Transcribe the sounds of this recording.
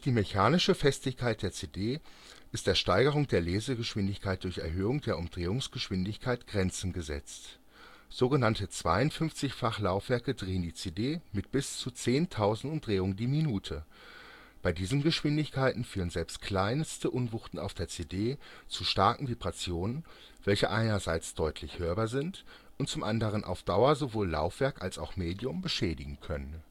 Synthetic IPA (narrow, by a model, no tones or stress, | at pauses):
d̥iːmeçaːnɪʃəfɛstɪçkʰaɪt̚d̥eːɐt͡seːdeː | ʔɪst̚d̥eːɐʃtaɪɡəʁ̞ʊŋd̥eːɐleːzəɡəʃv̥ɪndɪçkʰaɪt̚d̥ʊɐçɛ̰ɐɦøːʊŋd̥eːɐʊmdʁeːʊŋsɡ̥əʃv̥ɪndɪçkʰaɪtɡ̥ʁɛnt͡sn̩ɡəzɛ̰t͡st | z̥oːɡənantət͡sv̥a̰ɪʊntfʏnft͡sɪçfaχlaʊfv̥ɛɐkədʁeːəndiːt͡sedeːmɪt̚b̥ɪst͡sut͡seːntʰaʊzn̩tʊmdʁeːʊŋdiːminuːtʰə | b̥aɪdiːzn̩ɡəʃv̥ɪndɪçkʰaɪtn̩fyːʁənzɛlpst̚kʰl̥aɪnstəʔʊnvʊχtn̩a̰ʊfd̥eːɐt͡sedeːt͡suʃtaɐkŋ̩vibʁat͡sjoːnən | v̥ɛlçəʔaɪnɐzaɪt͡sd̥ɔʏtʰlɪçhøːɐbazɪnt | ʔʊnt̚t͡sʊmʔandəʁ̞ənʔa̰ʊfd̥aʊɐzovoːlːa̰ʊfv̥ɛɐkʔalsaʊxmeːdjʊmbəʃɛːdɪɡŋ̩kʰœnən